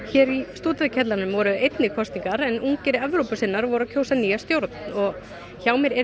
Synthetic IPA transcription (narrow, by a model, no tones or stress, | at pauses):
çɛːɾist̪uːt̪ʏðcʰɛt̪laɾnʏmvɔɾʏejt̪nɪkʰɔst̪iŋkaɾɛnuŋcɪɾɛvɾowpʏsɪnːaɾvɔɾʏɾacʰoːwsaniːjast̪jowɾt̪n̥ɔɣ | çaːwmɛɾɛ